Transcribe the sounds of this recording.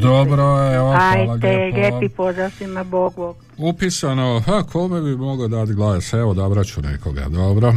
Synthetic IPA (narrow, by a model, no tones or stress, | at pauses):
d̪obɾoeoajaɡ̪eʎʲepipozasimaboɡbo | upisanohakʰomebimoɡod̪at̪ɡlaːseʋod̪aobɾat͡ʃunḛkoɡa̰d̪obɾo